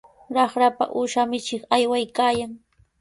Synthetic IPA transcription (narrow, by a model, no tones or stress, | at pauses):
ɾɑχɾapa̰ʔuʃamɪt͡ʃɪχajwajkaːjaŋ